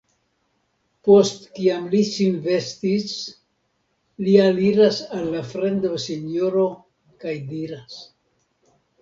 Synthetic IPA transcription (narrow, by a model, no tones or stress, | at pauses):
po̞stkiamlisinve̞stis | lialiɾasalːafɾe̞ndoseɲoɾo̞ | kajdiɾas